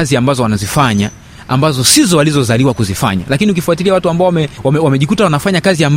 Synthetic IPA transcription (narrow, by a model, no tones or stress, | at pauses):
aziambazɔwanazifaɲa | ambazɔsizɔwalizɔzaliwakuzifa̰ɲa̰lakiniukifuatiliawatuambaɔwamɛwamɛwamɛʄikutawanafaɲakaziamb